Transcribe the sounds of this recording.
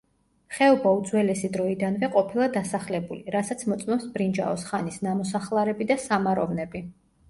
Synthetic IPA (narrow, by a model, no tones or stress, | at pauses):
χɛɔbaud̪zwɛlɛsid̪ɾɔid̪anvɛqʼɔpʰilˠad̪asaχlɛbuliɾasat̪sʰmɔt̪sʼmɛmsbɾind͡ʒa̰ɔsχanisnamɔsaχlˠaɾɛbid̪asamaɾɔvnɛbi